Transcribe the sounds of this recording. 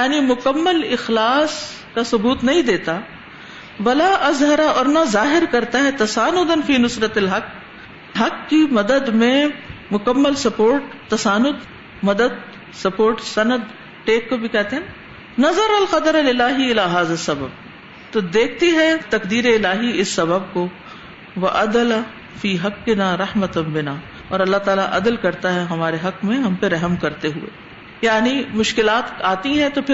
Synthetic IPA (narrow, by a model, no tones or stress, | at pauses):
jaːnimʊkɐmːəlɪxlaːs | kasʊbuːt̪nɐɦĩd̪eːt̪a | ʋɐlaʔɐzɦɐɾaɔːɾnɐzaːɦɪɾkɐɾt̪aɦɛt̪ɐsaːnʊd̪ɐnfiːnʊsɾɐt̪ɐlɦɐk | ɦɐkːimɐd̪əd̪mẽmʊkɐmːəlsɐpoːɾʈt̪ːɐsaːnʊd̪ | mɐd̪əd̪ | sɐpoːɾʈsɐnəd̪ | ʈeːkːobʱikɛɦt̪eɦɛ̃n | nɐzɐɾɐlqɐd̪əɾlɪlaːɦiɪlaːɦaːzɐsːɐbəb̚ | t̪od̪eːkʰt̪iɦɛt̪ɐkd̪iːɾeɪlaːɦiɪsːɐbəb̚ko | ʋɐʔɐd̪ɐla | fiːɦɐqːɪnaːɾɐħmɐt̪bɪnaː | ɔːɾɐlːaɦt̪aːlaʔɐd̪əlkɐɾt̪aɦɛɦɐmaːɾeɦɐkmẽɦɐmpeɾɐɦəmkɐɾt̪eɦuḛː | jaːnimʊʃkɪlaːt̪aːt̪iɦɛ̃t̪opʰɪ